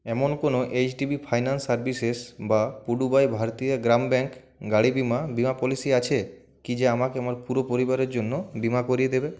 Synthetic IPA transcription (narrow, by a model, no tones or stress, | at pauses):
ɛmonkonoʔet͡ɕʈibʱipʰajnansːaɾbisesbapuɖubajbʱaɾt̪ijaɡɾambɛŋk | ɡaɽibimabimapɔlisiat͡ɕʰe | kid͡ʑeamakeamaɾpuɾopoɾibaɾeɾd͡ʑonːobimakoɾijed̪ebe